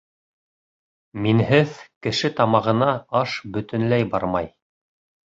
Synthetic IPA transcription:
minhɘðkɘ̆ʃɘt̪ɑmɑʁɤ̆nɑɑʃbɵ̆t̪ɘ̆nlæjbɑ̰ɾmɑj

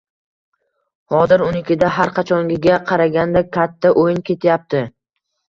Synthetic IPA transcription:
hɒd̪ɪɾʊnɪkʲʰɪd̪aɦaɾqʰɑt͡ʃʰɒŋɡʲɪɡʲaqʰɑɾaɡʲand̪akʲʰat̪ʰːaʔojɪnkʲʰe̞t̪ʰjap̚t̪ʰɪ

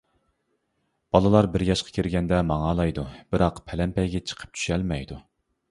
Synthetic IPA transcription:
b̥ɑlˠɨlˠɑɾbɪɾjɑʃqʰɑ̥kʲʰeɾɡʲɛnd̪ɛmɑŋɑlˠɑjd̪ub̥ɪɾɑqpʰɛlɛmpɛjɡʲɛt͡ʃʰə̥qʰə̥p̚t͡ʃʰy̥ʃɛlmɛjd̪u

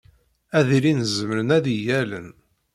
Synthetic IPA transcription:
æðiɾinzəməɾənæðijælə̰n

